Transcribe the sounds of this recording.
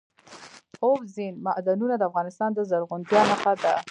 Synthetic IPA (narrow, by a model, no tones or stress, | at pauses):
obzinmaʔd̪anunad̪əafɣɑnɪst̪ɑnd̪əzaɾɣʊnd̪jɑməxad̪a